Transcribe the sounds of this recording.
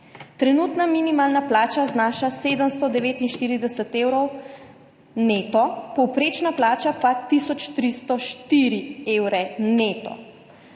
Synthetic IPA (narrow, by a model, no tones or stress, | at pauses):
t̪ɾɛnuːt̪naminimaːlnaplaːt͡ʃaznaːʃaseːd̪əmst̪ɔd̪ɛʋeːt̪inʃt̪iːɾid̪ɛsɛt̪eːwɾɔw | neːt̪ɔpɔwpɾeːt͡ʃnaplaːt͡ʃapat̪isɔt͡ʃt̪ɾist̪ɔʃt̪iːɾieːwɾɛneːt̪ɔ̰